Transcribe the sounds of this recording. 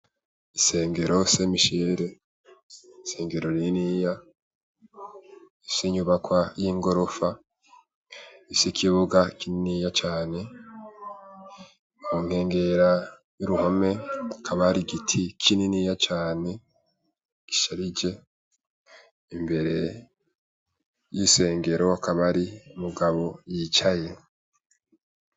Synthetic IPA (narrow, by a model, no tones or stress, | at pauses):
ise̞ːŋɡe̞ɾo̞semiʃeɾe̞ | ise̞ːŋɡe̞ɾo̞ɾinija | isiɲuβakwajiŋɡo̞ɾo̞fa | isikʰiβuɡakininijat͡ʃaːne̞ | uːŋ̥he̞ːŋɡe̞ɾa | juɾuho̞me̞akʰaβaɾiɡitʰikʰininijat͡ʃaːne̞ | ɡ̥iʃaɾid͡ʒe̞ | imbe̞ɾe̞ | jise̞ːŋɡe̞ɾo̞akaβaɾiumuɡaβo̞jit͡ʃaje̞